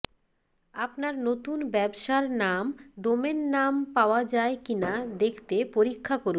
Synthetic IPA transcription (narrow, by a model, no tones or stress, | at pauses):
apnaɾnot̪unbɛbʃaɾnamɖomenːampaoad͡ʑaekinad̪ekʰt̪epoɾikʰːakoɾu